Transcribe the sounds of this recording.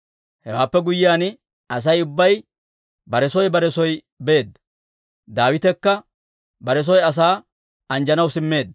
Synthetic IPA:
hɛwaːpːɛɡʊjɪjaːn | ɐs̬ɐjʊbːɐj | bɐɾɛsɔjbɐɾɛsɔj | be̞ːd̪ːɐ | d̪aːwɪt̪ɛkːɐ | bɐɾɛs̬ɔjɐs̬aː | ɐnd͡ʒɐnɐwsɪmːe̞ːd̪ːɐ

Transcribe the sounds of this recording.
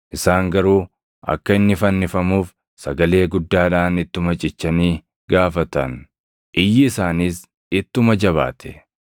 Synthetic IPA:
ʔɪsaːŋɡɐɾuː | ʔɐ̰kːɐɪnːɪfɐnːɪfɐmuːf | sɐɡɐle̞ːɡʊd̪ːaːᶑaːnɪt̪ːʊmɐt͡ʃʼɪt͡ʃːɐniː | ɡaːfɐt̪ɐ̰n | ʔɪjːɪɪsaːniːs | ɪt̪ːʊmɐd͡ʒɐβa̰ːt̪ʰɛ̥

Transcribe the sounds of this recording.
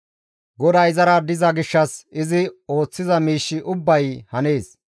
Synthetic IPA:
ɡɔd̪ɐjzɐɾɐd̪ɪzɐɡɪʃːɐsɪzɪo̞ːt͡sːɪzɐmiːʃːɪʔʊbːɐjhɐne̞ːs

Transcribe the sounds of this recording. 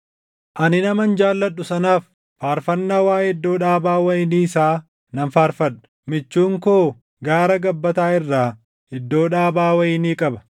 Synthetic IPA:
ʔɐnɪnɐmɐnd͡ʒaːlːɐɗːʊsɐnaːfː | aːɾfɐnːɐwaːɛd̪ːo̞ːᶑaːbaːwɐɪniːsaː | nɐnfaːɾfɐᶑʊ̥ | mɪt͡ʃːuːŋkoː | ɡaːɾɐɡɐbːɐt̪aːɪrːaː | hɪd̪ːo̞ːᶑaːbaːwɐɪniːkʼɐbɐ̥

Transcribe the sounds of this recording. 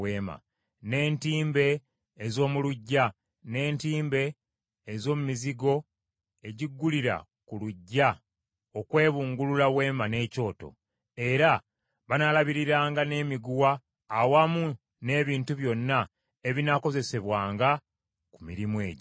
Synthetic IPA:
weːma̰ | ne̞ːntiːmbe̞ː | zo̞ːmuluɟːa | ne̞ːntiːmbe̞ː | zo̞ːmumiziɡo̞ | e̞ɟiɡːuliɾa̰ | kuluɟːa | o̞kwe̞ːβuːŋɡululawe̞ːmane̞ːco̞ːto̞̰ | e̞ɾa | βanalaβiɾiɾaːŋɡane̞ːmiɡuwaː | wamu | ne̞ːβiːntuβjo̞nːa | eβinako̞ze̞se̞βwaːŋɡa | kumiɾimwe̞̰ːɟi

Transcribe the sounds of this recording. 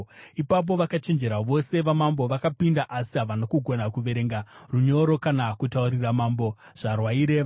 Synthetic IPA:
ipap̬o̞ʋakat͡ʃe̞nd͡ʒe̞ɾaʋo̞se̞ʋamambo̞ʋakapindaʔasiɦaʋanakuɡʱo̞nakuʋe̞ɾe̞ːŋɡaruɲo̞ɾo̞kanakutauriramaːmbo̞ | ʐ̥arwaiːɾe

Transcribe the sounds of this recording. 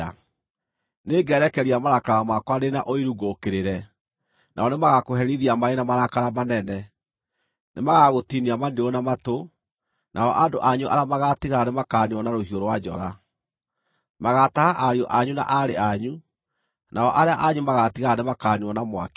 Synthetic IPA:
neɡɛɾɛkɛɾiamaɾakaɾamakwaɾenaʔoiɾuɣokeɾeɾɛ | nʔa̰ɔnemaɣakoɦɛɾiðiamaenamaɾakaɾamanɛnɛ | nemaɣaɣotiniamaniɔnamato | nʔaɔʔadoʔaɲuʔaɾeamaɣatiɣaɾanemakaːniwɔnaɾohioɾwad͡ʒɔ̰ɾa | maɣatahaʔaɾiɔʔaɲuna̰ʔaɾeaɲu | nʔaɔʔaɾeaʔaɲumaɣatiɣaɾanemakaːniwɔnamwak

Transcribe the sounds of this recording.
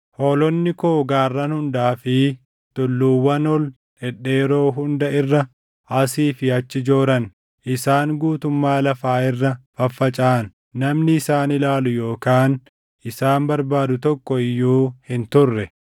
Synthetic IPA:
hoːlɔnːɪkoːɡaːrːɐnhʊnd̪aːfɪ | t̪ʊlːuːwːɐnɔl | ɛᶑeːɾo̞ːɦʊnd̪ɐɪrːɐ | ɐsiːfɪɐt͡ʃːɪd͡ʒoːɾɐn | ʔɪsaːŋɡuːt̪ʊmːaːlɐfaːɪrːɐfɐfːɐt͡ʃʼaːnː | ɐmnɪɪsaːnɪlaːlʊjo̞ːkaːn | ʔɪsaːmbɐɾbaːd̪ʊt̪ɔkːɔɪjːuːhɪnt̪ʊrːɛ

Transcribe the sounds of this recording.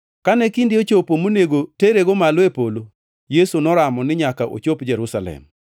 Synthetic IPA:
kanɛkindɪot͡ʃopomoneɡoteɾeɡomalwepolo | jesunɔɾamɔnɪɲakaʔo̰t͡ʃopd͡ʒɛɾusalɛ̰m

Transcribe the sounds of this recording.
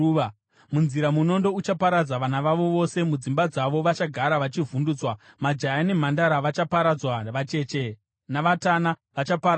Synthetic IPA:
munziɾamuno̞ndo̞ut͡ʃapaɾad͡zaʋanaʋaʋo̞ʋo̞se̞mud͡zimbad͡zaʋo̞ʋat͡ʃaɡʱaɾaʋat͡ʃivunduːt͡swa | mad͡ʒajane̞m̤andaɾaʋat͡ʃapaɾad͡zwaʋat͡ʃe̞ːt͡ʃe | naʋatanaʋat͡ʃapaɾ

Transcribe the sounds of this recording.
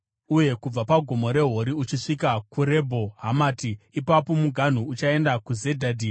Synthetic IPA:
uje̞kub͡vapaɡʱo̞mo̞ɾe̞ɦo̞ɾiut͡ʃiʂikakuɾe̞bʱo̞ɦamaːtiːpapo̞muɡʱan̤uut͡ʃae̞ndakuze̞dʱaːdʱi

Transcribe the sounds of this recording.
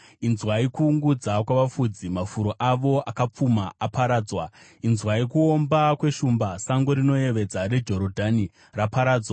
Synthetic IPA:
inzwaikuːŋɡud͡zakwaʋafud͡zimafuɾo̞ʔaʋo̞akap͡fumaapaɾaːd͡zwa | inzwaikuo̞mbakwe̞ʃumbasaŋɡo̞ɾino̞je̞ʋe̞d͡zaɾe̞d͡ʒo̞ɾodʱani | rapaɾaːd͡zwa

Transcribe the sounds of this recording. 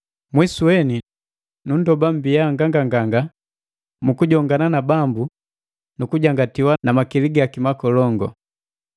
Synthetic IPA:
mwisuwɛni | nun̩dɔbam̩bijaŋɡaŋɡaŋɡaŋɡa | mukuɟɔŋɡananabambu | nukuɟaŋɡatiwanamakiliɡiakimakɔlɔŋɡɔ̰

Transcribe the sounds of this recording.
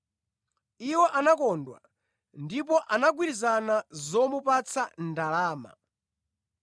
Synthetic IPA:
iwɔʔanakɔndwa̰ | ndipɔʔanaɡwiɾizanazɔmupat͡sʰandalaːma̰

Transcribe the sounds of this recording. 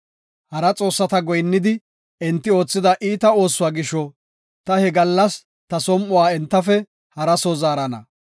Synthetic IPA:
hɐɾɐt͡sʼo̞ːsːɐt̪ɐɡɔjnːɪd̪ɪ | ɛnt̪ːɪo̞ːt͡sːɪd̪ɐʔiːt̪ɐo̞ːsːʊwaːɡɪʃɔ | t̪ɐhɛɡɐlːɐs | t̪ɐsɔmʊwaːɛnt̪ːɐfɛ | hɐɾɐsoːzaːɾɐnɐ̰

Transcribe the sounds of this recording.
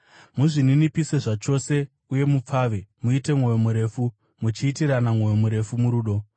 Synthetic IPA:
muʐininipise̞ʐat͡ʃo̞se̞ | uje̞mup͡faːʋemuite̞mŋo̞jomuɾe̞ːfu | mut͡ʃiːtiɾanamŋo̞jomuɾe̞fumuɾuːɗo̞

